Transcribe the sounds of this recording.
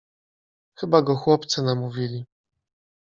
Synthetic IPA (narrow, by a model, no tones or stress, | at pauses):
xɘbaɡɔxwɔpt̪sɘnamuvʲilʲi